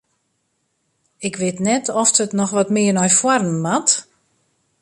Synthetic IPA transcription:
ɪkʋɪtnɛtʰɔftətnɔxʋɔtmɪːərnɔjfwarnəmat

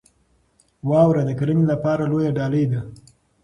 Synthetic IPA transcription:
wɑwɾad̪əkaɾənlapɑɾalojaɖɑləjd̪a

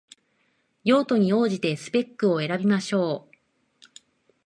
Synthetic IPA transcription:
jo̞ːt̪o̞ɲ̟io̞ːʑit̪e̞sɨ̥pe̞kːɯ̟o̞e̞ɾabʲimaɕo̞ː

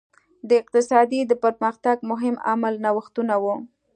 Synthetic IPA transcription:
d̪əɪq̚t̪ɪsɑd̪id̪əpəɾməxt̪aɡmʊɦɪma̰malnawəxt̪unawu

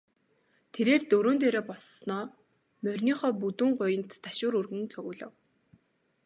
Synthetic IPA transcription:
t̪ʰeɾeːrt̪ɵɾoːnt̪eːɾoːpɔɮsnɔː | mœrʲniːχɔːp̬ut̪uːɴɢʊjɪ̆nt̪ːḁʃʊːɾurɣɘ̆nt͡sʰɵɣʊːɮə̆w

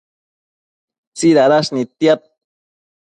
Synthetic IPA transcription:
t͡siɾaɾaʃnit̪jat̪̚

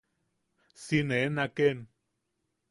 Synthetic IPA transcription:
sinenaken

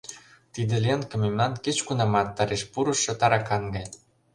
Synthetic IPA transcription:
t̪id̪ĕlʲenkɤ̆memlɑnket͡ɕkunɑmɑt̪ːɑɾeʃpuɾɤ̆ʃɤ̆t̪ɑɾɑkɑnɡɑj

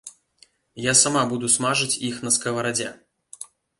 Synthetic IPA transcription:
jasamabud̪usmaʐɨt͡sʲixnɐskɐvɐɾad͡zʲɛ̰

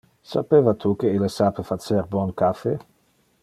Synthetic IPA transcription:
sapeːvat̪ʰukeilesapefat͡seɾbɔnkafe

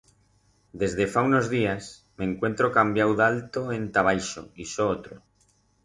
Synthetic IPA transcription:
d̪e̞zðefaunozðias | mẽ̞ŋkwe̞nt̪ɾokambjawðalt̪oent̪aβ̞ajʃo̰isoot̪ɾo

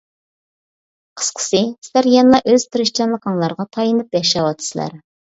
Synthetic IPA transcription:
qʰə̥sqʰə̥sɨsæɾjɛnlˠɑʔøz̥t̪ʰɨɾɪʃt͡ʃɛnlˠəqʰəŋlˠɑɾʁɑt̪ʰɑjinɨpjɛʃɑwɑt̪ʰːɨ̥sɨlæ̰ɾ

